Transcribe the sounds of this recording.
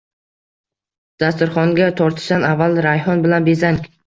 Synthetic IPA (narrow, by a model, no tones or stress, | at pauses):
d̪̥ast̪ʊɾχɒŋɡʲat̪ʰɒɾt̪ʰɪ̥ʃanavːalɾajɦɒnbɪlanbe̞zaŋkʲ